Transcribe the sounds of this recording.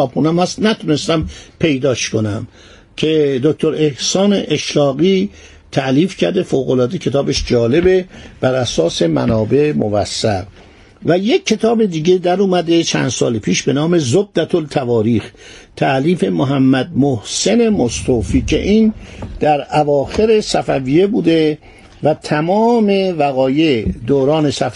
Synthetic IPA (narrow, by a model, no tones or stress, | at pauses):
ɒːbxuːnæmhæst̪næt̪ʰone̞st̪æmpʰe̞jd̪ɒːʃko̞næm | cʰe̞d̪ok̚t̪oɾe̞hsɒːneʔeʃlɒːɣiː | t̪ʰæʔliːfcʰæɾd̪e̞foːɣolɒːd̪ecʰe̞t̪ɒːbeʃd͡ʒɒːle̞beb̥æɾæsɒːse̞mæ̰nɒːbe̞movæ̰sːæɾ | væje̞kʲʰːe̞t̪ʰɒːbe̞d̪iːɟe̞d̪æɾuːmæd̪e̞t͡ʃʰæ̰nd̪sɒ̰ːlepʰiːʃbe̞nɒːme̞zod̪ːæt̪ʰolt̪ʰævɒːɾiːxt̪ʰæʔliːfe̞moɦæmːæd̪̚mohse̞ne̞most̪ʰoːfiːcʰe̞̰ʔiːnd̪̥æɾævɒːxe̞ɾesæfæviːje̞buːd̪e̞ | væt̪ʰæmɒːme̞væɣɒːje̞d̪oːɾɒːne̞sæf